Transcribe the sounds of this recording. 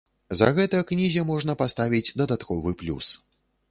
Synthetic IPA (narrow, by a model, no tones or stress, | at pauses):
zɐ̰ɣɛt̪ɐknʲizʲɐmɔʐn̪ɐpast̪avʲid͡zʲd̪ɐd̪at̪kɔvɨplʲṵs